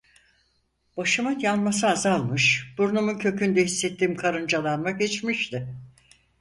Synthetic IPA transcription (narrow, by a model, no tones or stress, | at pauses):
b̥aʃɯmajanmasɯazalˠmɯʃb̥uɾnumuncʰø̞cʰynd̪ɛhisːɛt̪ʰːiːmkʰaɾɯnd͡ʒalˠanmaɡet͡ʃmiʃt̪ɪ